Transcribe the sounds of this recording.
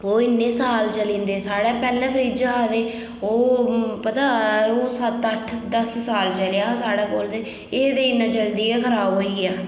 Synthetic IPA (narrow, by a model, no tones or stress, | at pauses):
oːɪnːeːsaːlt͡ʃəlĩːnd̪eːsaːɽɛːpɛːlːɛ̃ːpəɾiːd͡ʒaaːd̪eː | oːpət̪ãːoːsət̪əʈʰd̪əssaːlt͡ʃəljaːosaːɽaːkoːld̪eː | eːd̪eːɪnːãːt͡ʃəld̪iːɛːkʰəɾaːɦoːiːɛː